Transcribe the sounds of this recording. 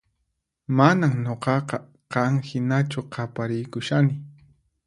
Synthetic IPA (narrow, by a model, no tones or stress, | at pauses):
manaŋɲoqɑqɑ | qɑŋhɪnat͡ʃʊqʰɑpaɾɪjkʊʃanɪ